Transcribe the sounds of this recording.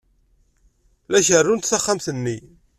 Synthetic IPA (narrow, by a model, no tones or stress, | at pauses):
læʃərːunt̪θæχːamθənːi